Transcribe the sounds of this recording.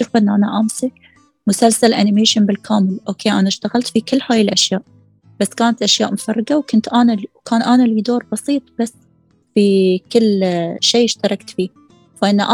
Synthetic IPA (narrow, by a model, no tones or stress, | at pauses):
ʊfʔɪnːʔanaʔaːmsak | mʊsalsalʔanɪmeːʃɪnbɪlkʰaːmɪlʔoːkʰeːʔanaʃt̪aɣalt̪fikɪlːhaːjɪlʔaʃjaːʔ | b̥asːkaːnat̪ʔaʃjaːʔmʊfɑrˤːɑɡawkʊnt̪ʔanawkaːnʔanalid̪oːɾˤbɑsˤiːt̪ˤb̥asː | fikɪlːʃeːʔɪʃt̪ɑɾˤɑkt̪fiː | faʔɪnːaʔa